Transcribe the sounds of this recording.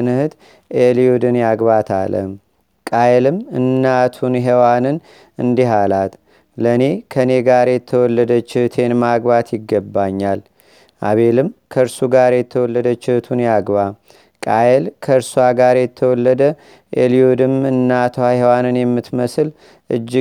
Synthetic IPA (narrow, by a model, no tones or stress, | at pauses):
ɨnɨhɨd̪ | elijud̪ɨnjaɡbat̪ʰa̰lə̰m | kʼajlɨmɨnːat̪ʰunɦewanɨn | ɨnd̪iɦalat̪ | ləne̞kʰəne̞ɡaɾjɛt̪ʰːəwɔlːəd̪ət͡ʃːɪhɨt̪ʰe̞nmaɡbat̪jɪɡːəbːaɲːal | ʔa̰βe̞lɨmkʰəɾsuɡaɾjɛt̪ʰːəwɔlːəd̪ət͡ʃːɪht̪ʰunjaɡba | kʼajelkʰəɨɾswaɡaɾjɛt̪ʰːəwɔlːəd̪ə | ʔeliud̪ɨmɨnːat̪ʰwahewanɨnjɛmːɨt̪məsɨl | ʔɨ̰d͡ʒː